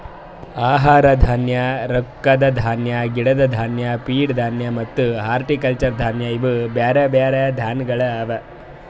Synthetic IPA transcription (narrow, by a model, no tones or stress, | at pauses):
aːɦaːɾɐd̪ʱaːnjɐɾɔkːɐd̪ɐd̪ʱaːnjɐɡiɽɐd̪ɐd̪ʱaːnjɐpiːɽd̪ʱaːnjɐmɐt̪ːuɦaːɾʈikɐlt͡ʃɐɾd̪ʱaːnjɐiʋubaːɾɐbaːɾɐd̪ʱaːnɡɐɭɐɐʋɐ